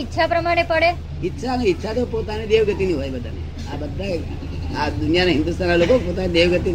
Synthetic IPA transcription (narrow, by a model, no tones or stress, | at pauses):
itːʃʰapɾəmaɽ̃epəɽe | itːɕʰanitːɕʰat̪opot̪anid̪eʋɡət̪iniɦojbəd̪ʱa̰ne | abəd̪ʱːa | ad̪unijanaɦind̪ust̪ʰanalokokpot̪anid̪eʋɡət̪in